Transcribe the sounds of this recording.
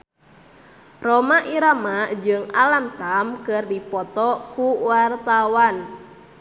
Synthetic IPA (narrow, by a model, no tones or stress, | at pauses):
romaʔiɾamad͡ʒɨŋalamt̪amkɨrdipɔt̪ɔkuwart̪awan